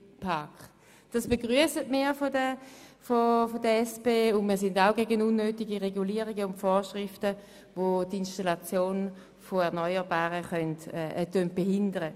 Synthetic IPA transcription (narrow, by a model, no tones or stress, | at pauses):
pʰaɐkχ | d̥asb̥eɡʁyəsətmiːfodəfofodəɛsbeːʊndmiːɐs̬ɪndaʊɡeɡənunːøːtiɡiʁeɡuliːəʁiɡəʊntfoːʃʁɪftə | votinʃtalat͡sjoːn | foɛɐnɔʏəʁbaːʁəχœntɛtønt̚b̥eɦɪndəʁə